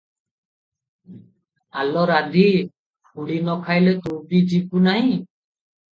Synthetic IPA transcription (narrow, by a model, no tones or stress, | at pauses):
alɔɾad̪i | pʰuɽinɔkʰajlɛt̪upid͡ʒikunaɦĩ